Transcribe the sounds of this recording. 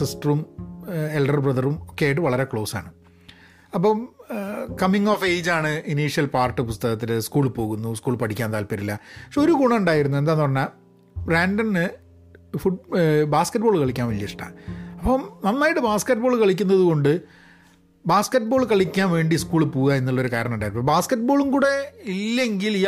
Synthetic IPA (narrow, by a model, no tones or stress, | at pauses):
sisʈrum | elɖɐrbrɐðɐrumokːejaːjiʈ̬ːɨʋɐɭɐɾe̞kɭo̞ːsa̰ːɳɨ | ɐp̬ːom | kɐmiŋːoːfe̞ːd͡ʑaːɳɨiniːʂjɐlpaːrʈːɨpust̪ɐɣɐt̪̬ːilɨskuːɭpo̞ːɣunːuskuːɭpɐʈʰikʲːaːnt̪aːlpɐɾilːɐɐkʂeoɾuɡuɳɐuɳɖaːjiɾunːued̪aːenːɨpɐrɐɲːa | raːnɖɐnɨ | fubaːskɐʈ̚ːboːɭkɐɭikʲːaːnʋelːɐiʂʈɐ̰ɐpːomnɐmːaːjiʈːɨbaːskɐʈ̚ːboːɭkɐɭikʲːunːɐðuɣo̞ɳɖɨ | baːskɐʈ̚ːbo̞ːɭkɐɭikʲːaːnʋe̞ːɳɖiskuːɭpuːɣaenːuɭːo̞ɾukaːɾɐɳɐmuɳɖaːjiɾnːobaːskɐʈ̚ːbo̞ːɭumkuːɽe̞ilːe̞ŋɡili